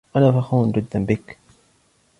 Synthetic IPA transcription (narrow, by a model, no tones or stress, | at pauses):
ʔanaːfaxuːnd͡ʒɪd̪ːanbɪk